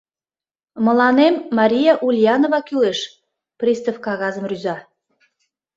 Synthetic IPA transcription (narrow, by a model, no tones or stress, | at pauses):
mə̆lɑnemːɑɾʲijɑʔulʲjɑnovɑkyleʃ | prʲist̪əfkɑɣɑzəmryzɑ